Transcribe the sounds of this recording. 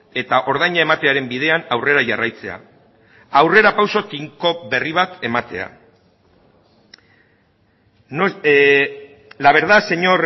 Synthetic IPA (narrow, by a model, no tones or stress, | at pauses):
e̞t̪aʔo̞ɾð̞ajɲae̞mat̪e̞aɾe̞mbið̞e̞anawre̞ɾaʝarajt͡se̞̰a̰ | awre̞ɾapawso̞t̪iŋko̞be̞riβ̞at̪e̞mat̪e̞a̰ | n | laβ̞e̞ɾðase̞ɲo̞ɾ